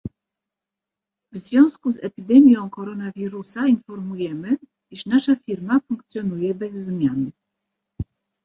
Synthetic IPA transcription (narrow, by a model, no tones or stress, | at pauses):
vzvʲjɔ̃w̃skuzɛpʲid̪ɛmʲjɔ̃w̃kɔɾɔnavʲiɾusainfɔɾmujɛmɘ | iʂnaʂafʲiɾmafuŋk̚t̪sʲjɔnujɛbɛzːmʲjan